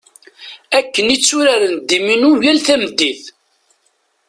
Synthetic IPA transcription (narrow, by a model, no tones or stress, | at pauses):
ækːənit͡sːuɾaɾənd̪iminujælθæməd̪ːiθ